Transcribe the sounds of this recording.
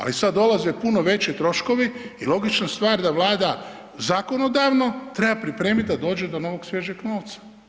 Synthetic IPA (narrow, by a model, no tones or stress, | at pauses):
a̰lisad̪ːo̞lazepuno̞ʋe̞t͡ɕit̪ɾo̞ʃko̞ʋiilˠo̞ɡit͡ʃnast̪ʋaːɾd̪aʋlˠaːd̪a | zaːko̞no̞d̪aʋno̞t̪ɾe̞bapɾipɾeːmit̪̚ʲd̪ad̪o̞ːd͡ʒe̞d̪o̞no̞ʋo̞ɡsjeʒeɡno̞ːʋt̪sḁ